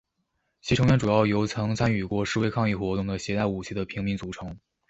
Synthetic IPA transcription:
t͡ɕʰi˧˥ʈ͡ʂʰɤ˧˥ŋɥɛ˧˥ʈ͡ʂu˨˩jɑ˥˩ʊjo˧˥ʊt͡sʰɤ˧˥ŋt͡sʰa˥ny˨˩kwɔ˥˧ʂɻ̩˥˧we˥˧ɪkʰɑ˥˧ŋi˥˩xwɔ˧˥t̪ʊ˥˩ŋd̪ə˩ɕjɛ˧˥t̪a˥˩ɪu˨˩t͡ɕʰi˧˥d̪ə˨pʰi˧˥ŋmi˧˥nt͡su˧˥˩ʈ͡ʂʰɤ˧˥ŋ

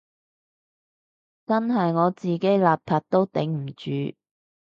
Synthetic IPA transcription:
t͡sɐ˥nɦɐ˨jŋɔː˨˧t͡siː˨ke˨˥jlaː˨p̚pʰaː˧t̚t̪o˥wt̪e˨˥ŋm̩˨˩t͡ʃyː˨˥

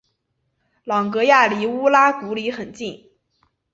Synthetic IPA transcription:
lɑ˨˩ŋkɤ˧˥ja˥˩li˨˥˩u˥la˥t̪u˧˥li˧˥xə˨˩nt͡ɕi˥˩n

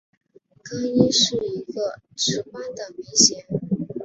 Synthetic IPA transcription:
kɑ˥ŋi˥ʂɻ̩˥˩i˧˥ɡə˧ | ʂɻ̩˧˥pa˥nd̪ə˨˩mi˧˥ŋɕjɛ˧˥n

